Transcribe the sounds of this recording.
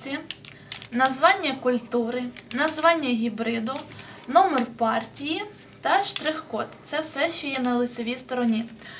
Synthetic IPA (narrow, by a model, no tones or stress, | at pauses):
i | nɐzʋɑnʲːɐkʊlʲt̪uɾɪnɐzʋɑnʲːɐɦʲibɾɪd̪ʊnɔmɔrpɑrtʲiji | t̪ɐʃt̪ɾɪxkɔt̪t̪sɛwsɛʃt͡ʃɔjɛnɐlˠɪsʲɔʋʲijst̪ɔɾɔnʲi